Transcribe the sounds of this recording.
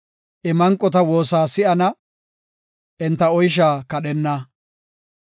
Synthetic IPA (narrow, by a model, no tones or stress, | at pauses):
ʔɛmɐŋkʼːɔt̪ɐwo̞ːsaːsɪʔɐnɐ | ɛnt̪ːɐɔjʃ̬aːkɐɗɛnːɐ